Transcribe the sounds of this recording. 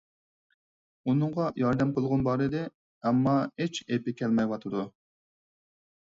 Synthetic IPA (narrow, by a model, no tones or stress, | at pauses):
unɨŋʁɑjɑɾd̪ɛmqʰəlˠʁʊnbɑɾɨd̪ɪ | ɛmːɑet͡ʃepɪkʲʰɛlmɛjwɑt̪ʰɨd̪u